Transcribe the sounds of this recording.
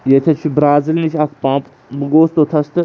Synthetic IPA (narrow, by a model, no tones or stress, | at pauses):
jet̪ʰet͡ʃʰibɾaːzilnit͡ʃʰʲɐkʰpãːp | bɡoːst̪ot̪ʰɐst̪ɨ